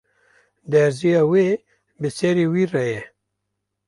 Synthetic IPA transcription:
d̪ɛɾzijɑːweː | bɨsɛɾiːwiːrɛjɛ

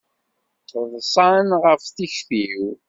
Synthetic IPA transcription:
əðˤsˤɑnʁəfθiçθiw

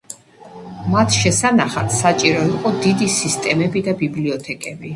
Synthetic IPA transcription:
mat̪ʰʃɛsanaχat̪ʰsat͡ʃʼiɾɔiqʼɔd̪id̪isist̪ʼɛmɛbid̪abibliɔt̪ʰɛkʼɛbi

